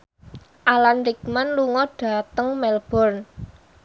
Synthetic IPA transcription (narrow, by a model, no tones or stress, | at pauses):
ʔalanrik̚manluŋɔɖ̥ä̤t̪əŋmɛlb̥ɔ̤rn